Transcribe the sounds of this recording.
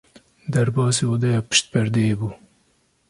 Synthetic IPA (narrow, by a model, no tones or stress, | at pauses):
d̪æɾbɑːsiod̪ɛjɑːpɪ̥ʃt̪̚pɛɾd̪eebuː